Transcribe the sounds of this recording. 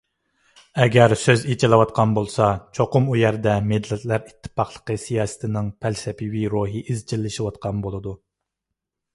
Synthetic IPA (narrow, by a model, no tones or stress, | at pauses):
ɛɡʲæɾsøzet͡ʃʰɪlˠɨwɑt̪̚qʰɑnbolˠsɑt͡ʃʰoqʊmujæɾd̪ɛmed̪lɛt̪læɾit̪ʰːɨ̥pɑχlˠə̥qəsijɑːsɨ̥t̪ʰɪnɪŋpʰælsɛpʰiwiɾoɦiʔizt͡ʃʰilːɪʃiwɑt̪̚qʰɑnbolˠɨd̪u